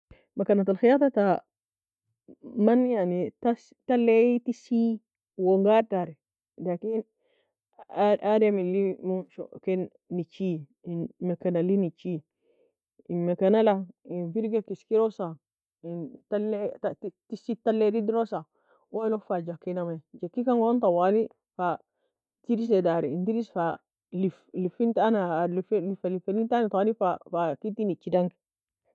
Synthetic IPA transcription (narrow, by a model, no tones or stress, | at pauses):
makanat̪alxijat̪ata | manjanitas | talːetisi | woŋɡaɾtaɾɛ | lakin | aɾamilimuʃo̰kenː | it͡ʃi | makanalinit͡ʃi | inmakanalainfiɾɡekiskiɾosa | intaletattisitalːeɾidiɾosa | wolofad͡ʒakːinamad͡ʒakːikaŋɡontawali | fa | tiɾis̬edaɾiintiɾisfa | liflifintanaliflifalifenintanatwanifafakitːinit͡ʃidaŋki̥